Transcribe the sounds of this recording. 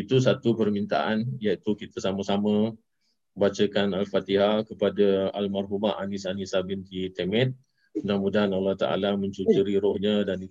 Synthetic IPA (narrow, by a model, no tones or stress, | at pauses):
it̪usat̪upərmint̪a̰ʔanjait̪ukit̪əsamasamə̃ | bat͡ʃəkanalfat̪iɦakəpadaalmarɦumaʔanisanisabɪnd̪it̪emɛ̃t̪̚ | ənamudaanalaht̪aʔa̰lamə̃ɲt͡ʃut͡ʃuɾiɾɔhɲadani